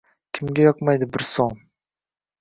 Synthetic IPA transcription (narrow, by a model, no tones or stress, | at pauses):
kʲʰɪmɡʲajɒqmajd̪ɪbɪɾsoŋ